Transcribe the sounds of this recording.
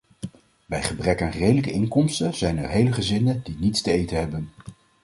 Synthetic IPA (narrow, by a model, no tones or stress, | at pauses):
bɛjχəbrɛkaːnrejdələkəɪŋkɔmstəz̥ɛjnɛɹɦejləχəzɪnədinitstəejtəɦɛbən